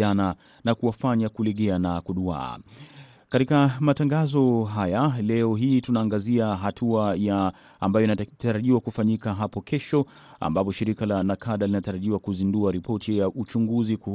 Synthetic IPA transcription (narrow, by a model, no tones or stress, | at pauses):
ana | nakuwafaɲakulɛɠɛanakuɗua̰ː | katikamataŋɡazɔɦajalɛɔɦiːtunaːŋɡaziaɦatʰuajaː | mbajɔinataɾaʄiwakufaɲikaɦapɔkʰɛʃɔ | a̰mbap̬ɔʃiɾikalanakʰaɗalinataɾaʄiwakuzinduaɾipʰɔtʰijaʔut͡ʃuŋɡuziku